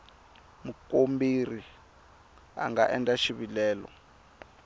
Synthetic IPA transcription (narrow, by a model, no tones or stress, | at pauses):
mukombiri | a̰ŋɡa̰ʔɛntʼaʃiβilɛːlɔ̰